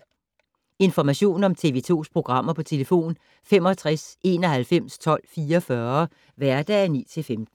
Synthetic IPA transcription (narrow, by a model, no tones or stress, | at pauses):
e̝nfɒmæɕo̝̰ːnɒ̽mt͡sʰe̝ʋe̝ːt͡sʰo̝̰ːspʰʁo̝ɡ̥ʁɑ̈m̰ɐpʰɒ̽t͡sʰe̝ləfo̝̰ːn | fem̰ɒ̽t͡sʰʁase̝ːnɒ̽ɦælfem̰st͡sʰɒ̽l̰fiːɐɒfɶːɐ | ʋæɐd̥ɛ̰ænḭːt͡sʰe̝lfemd̥n̩